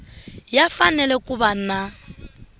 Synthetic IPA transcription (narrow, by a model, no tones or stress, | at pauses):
jafanɛlɛkʼʊbana